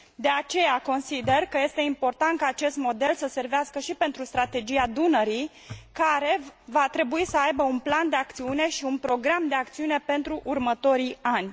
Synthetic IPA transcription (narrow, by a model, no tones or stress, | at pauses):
d̪e̞at͡ʃe̞jako̞nsid̪e̞rkəje̞st̪e̞impo̞rt̪ant̪̚kaːt͡ʃe̞st̪mo̞d̪e̞lsəse̞rveaskəʃipe̞nt̪ɾust̪ɾat̪e̞d͡ʒiad̪unəɾij | kaɾe̞vat̪ɾe̞buisəajbəunpland̪e̞ak̚t̪siune̞ʃiunpɾo̞ɡɾamd̪e̞ak̚t̪siune̞pe̞nt̪ɾuʔurmət̪o̞ɾijanʲ